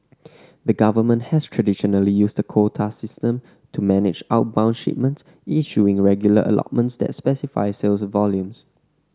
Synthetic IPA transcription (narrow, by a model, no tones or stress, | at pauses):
dəɡavəmə̃nthɛstʰɹədiʃɔnəlijusdəkʰotʰasɪstə̃m | tʰumɛnɪ̰d͡ʒaʊt̚bãʊ̃nʃḭp̚mə̃nts | iʃuɪ̃ŋɹɛɡjulə̰ʔə̰lɔ̰t̚mə̃ntsd̪ɛ̰tspɛsifa̰ɪselsvɔljũms